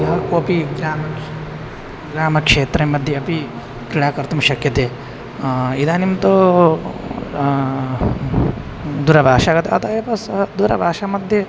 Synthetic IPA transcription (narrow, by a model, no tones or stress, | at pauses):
jɐɦɐkoɐpiɡɾaːmɐ | ɡɾaːmɐkʂeːt̪ɾɐmɐd̪ʱjeɐpi | kɾiɭaːkɐɾt̪umɐʃɐkjɐt̪e | id̪aːnimt̪o | d̪uːɾɐbʱaːʂaːɡɐt̪ːeɐ̰t̪ɐepɐsɦɐd̪uːɾɐ̰bʱaːʂamɐd̪ʱje